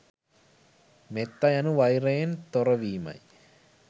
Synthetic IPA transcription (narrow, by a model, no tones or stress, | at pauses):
met̪ːɐjɐnuʋɐjreːnt̪oɾɐʋiːmɐ̰j